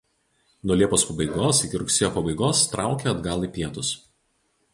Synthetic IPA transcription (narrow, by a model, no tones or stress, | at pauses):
nuɔlʲiɛpoːspɐbɐɪɡoːsɪkʲɪɾʊksʲɛːjoːpɐbɐɪɡoːst̪ɾʔɑˑʊkʲeɐd̪ɡɐlˠiːpʲiɛt̪ʊs